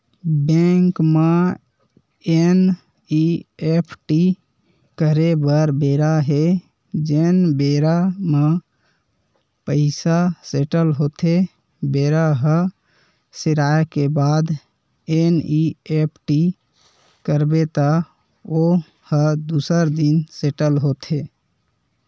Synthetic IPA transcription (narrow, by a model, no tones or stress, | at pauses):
bẽŋkme | en | iepʰʈi | kəɾebəɾbeɾaɦe | d͡ʒenbeɾamə | pəɪsaseʈəlɦot̪ʰe | beɾaɦə̃ | sɪɾaekebad̪ | eniepʰʈi | kəɾbet̪a | o | həd̪usəɾd̪inseʈəlɦot̪ʰe